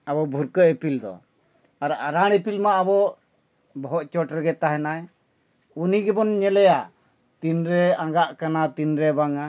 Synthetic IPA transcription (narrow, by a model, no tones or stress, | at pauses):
abɔbʱuɾkəɛpild̪ɔ̰ | aɾaɾaɽ̃ɛpilmaʔabɔʔ | bɔɦɔt͡ʃɔʈɾɛɡɛt̪aɦɛnaj | uniɡɛbɔnɲɛlɛja | t̪inɾɛaŋɡaʔkanat̪inɾɛbaŋa